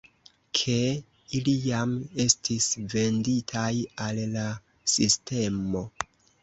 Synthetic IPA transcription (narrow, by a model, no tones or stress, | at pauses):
kʰe̞ | ilijame̞stʰisve̞nditʰajalla | siste̞mo̞